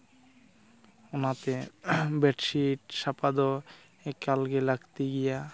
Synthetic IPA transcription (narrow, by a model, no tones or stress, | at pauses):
onat̪ebeʈʃiʈʃapad̪o | ekalɡelaɡt̪iɡija